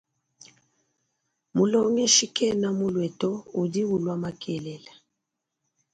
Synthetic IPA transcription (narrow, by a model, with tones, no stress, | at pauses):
mu˨lɔ˦ŋɛ˦ʃi˦kɛ˦na˦mu˦lwɛ˨tɔ˦u˨di˦wu˨lwa˦ma˦kʰɛ˨lɛ˨la˨